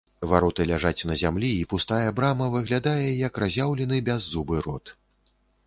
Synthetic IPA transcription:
vaɾɔt̪ɨlʲaʐat͡sʲnɐzʲamlʲiːpust̪ajɛbɾamɐvɨɣlʲad̪ajɛjɐkrazʲawlʲɛnɨbʲazːubɨɾɔt̪

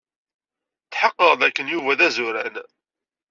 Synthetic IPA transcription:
θħəqːəʁðækːənjuvæðæzʊɾæn

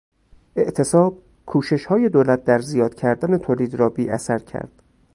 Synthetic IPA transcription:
ʔe̞ʔt̪ʰe̞sɒːb̥̚ | kʰuːʃe̞ʃhɒːje̞d̪oːlæt̪̚d̪æɾzijɒːd̪̥cʰæɾd̪æne̞t̪ʰoːliːd̪ɾɒːbiːʔæsæɾcʰæ̰ɾd̪̥

